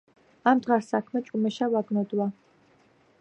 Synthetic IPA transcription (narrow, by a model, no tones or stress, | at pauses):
amd̪ʁaɾsakʰmɛt͡ʃʼumɛʃavaɡnɔd̪wa